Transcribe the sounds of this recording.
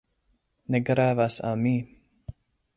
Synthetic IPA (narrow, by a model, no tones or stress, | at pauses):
nɛɡɾɛːvasa̰miː